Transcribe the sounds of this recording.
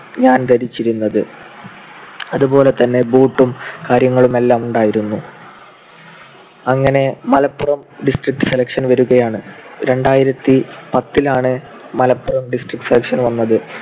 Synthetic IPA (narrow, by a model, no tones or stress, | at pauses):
ɲaːnt̪ɐɾit͡ɕːiɾunːɐðɨ | ɐðupo̞ːle̞t̪ɐnːe̞buːʈːumkaːɾjɐŋːɐɭume̞lːaːmuɳɖaːjiɾunːu | ɐŋːɐne̞mɐlɐpːurɐmɖisʈrik̚ʈːɨ̥se̞lɐkʂɐnʋɐɾuɣɐjaːɳɨɾe̞ɳɖaːjiɾɐt̪ːipɐt̪ːilaːɳɨ | mɐlɐpːurɐmɖisʈrik̚ʈːɨ̥selɐkʂɐnʋɐnːɐðɨ